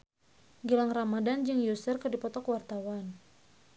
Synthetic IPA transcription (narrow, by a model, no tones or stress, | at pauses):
ɡilaŋramadand͡ʒɨŋjusərkɨrdipɔt̪ɔkwart̪awan